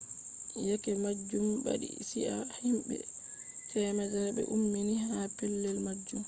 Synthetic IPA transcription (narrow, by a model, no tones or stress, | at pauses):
jakɛmad͡ʒːumba̰ɗḭsiʔahimbɛ̰ | tʰɛmɛd͡ʒaɾbɛ̰ʔumːinihapɛlːɛlmad͡ʒːum